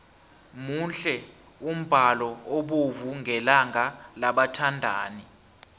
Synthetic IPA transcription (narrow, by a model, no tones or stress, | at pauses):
munɬɛ | um̩b̥ʱalɔoɓuvuŋɡʱɛlaŋʱalaɓatʰandʱaːni